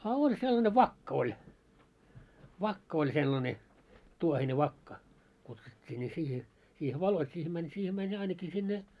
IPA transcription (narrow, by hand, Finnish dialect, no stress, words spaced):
ɑ olʲ selːɑne ʋɑkːɑ̆ olʲ ʋɑkːɑ olʲ selːɑne tuohine ʋɑkːɑ kutsutʲːiː nʲi siːhe siːhe ʋɑloit siːhĕ mænʲ siːhe mænʲ ɑinɑki sinːe